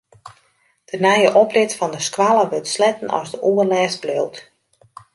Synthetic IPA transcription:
d̥ənɛjəʔɔprɪtfɔndəskwalˠəʋøtslɛtən̩ɔ̰sdəʔuərlɛːsb̥løwt

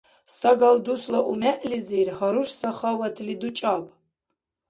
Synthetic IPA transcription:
saɡɐld̪uslɐʔumɛʔlizirhɐɾuʃsɐχawɐt̪ʰlid̪ut͡ʃʼapʼ

